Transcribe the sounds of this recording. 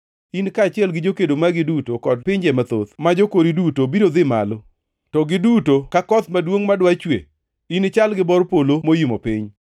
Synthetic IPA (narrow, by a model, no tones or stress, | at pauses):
inkaːt͡ʃɪɛlɡɪd͡ʒokedomaɡɪdutokɔd̚pɪɲd͡ʒɛmat̪o̰t̪mad͡ʒokoɾidutobiɾod̪ɪma̰lɔ | tɔɡɪdutokakɔt̪madwoŋmadwat͡ʃwḛ | inɪt͡ʃalɡɪbɔrpolomojimopɪɲ